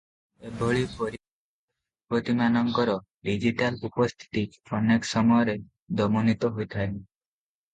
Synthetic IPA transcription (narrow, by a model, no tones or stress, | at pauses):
ebʱɔɭipɔɾ | pɾot̪imanɔŋkɔɾɔ | ɖid͡ʒiʈalupɔst̪ʰi̥t̪iɔneksɔmɔjɔɾe | d̪ɔmɔnit̪ɔɦojt̪ʰajli